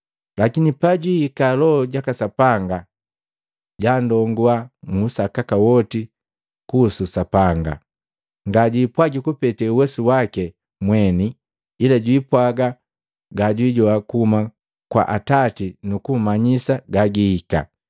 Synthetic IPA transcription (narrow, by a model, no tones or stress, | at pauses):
lakinipaɟwihikalɔɔɟakasapaŋɡa | ɟandɔŋɡuamusakakawɔti | kuːsusapaŋɡa̰ | ŋɡaɟiːpwaɡikupɛtɛuwɛsuwakɛ | mwɛniː | laɟwiːpwaɡa | ɡaɟwiɟɔakuuma | kwa̰ʔatatinukumaɲisaɡaɡihika̰